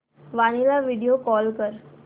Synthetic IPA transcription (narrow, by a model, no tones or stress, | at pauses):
ʋañilaʋiɽijokɔlkəɾ